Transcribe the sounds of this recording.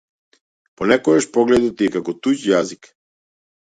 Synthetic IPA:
pɔnɛkɔɡaʃpɔɡlɛd̪ɔt̪iɛkakɔt̪ucjazik

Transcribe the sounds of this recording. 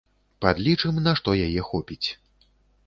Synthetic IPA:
pad̪lʲit͡ʂɨmnaʂt̪ɔjajɛxɔpʲit͡sʲ

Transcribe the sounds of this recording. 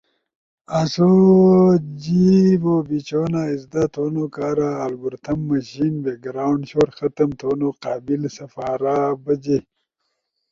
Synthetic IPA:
aso | d͡ʑibobit͡ɕonaizd̪at̪ʰoːnokaːɾaːlɡuɾt̪ʰɐmːɐɕinbeɡɾaːwɳɖɕoɾxɐt̪ɐmt̪ʰoːnoqɑːbilsɐfaːɾabɐd͡ʑe

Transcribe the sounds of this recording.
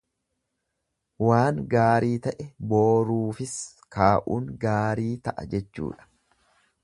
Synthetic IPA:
waːŋɡaːɾiːt̪ɐʔɛboːɾuːfɪs | kaːʔuːŋɡaːɾiːt̪ɐʔɐ̰d͡ʒɛt͡ʃːṵːᶑɐ̥

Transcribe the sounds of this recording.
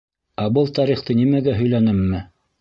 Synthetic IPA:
æbɤlˠt̪ɑɾiχt̪ɤnimæɡæɦɵ̆jlænɘmːɘ

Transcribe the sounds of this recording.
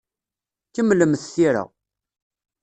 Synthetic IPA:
kəmːləmθθiɾə̰

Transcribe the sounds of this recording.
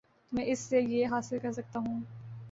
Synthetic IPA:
t̪omɛ̃ːʔɪsːejeɦaːsɪlkɐɾsɐk̚t̪aɦũː

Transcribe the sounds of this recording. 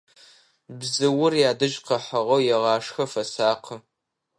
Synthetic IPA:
bzɨwʊrjaːdɨʒqɐħɐʁɐwjɛʁɑːʂxɐfɐsaːqʰə

